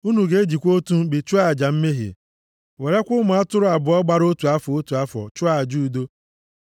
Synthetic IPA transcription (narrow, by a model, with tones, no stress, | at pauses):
u˦nu˨ɡe˦e˦d͡ʒi˨kʷo˦tu˦bi˨t͡ʃʊ˦a˦˨d͡ʒa˨m̩˦me˦ɦḭ˨ | we˨ɾe˦kʷʊ˦mʊ˨˦a˦tʊ˦ɾʊ˦a˨bʊ˨ɔ˦ɡ͡ba˦ɾo˦tu˨a˦fɔ˨o˦tu˨a˦fɔ̰˨t͡ʃʊ˦a˦˨d͡ʒu˦˨do˦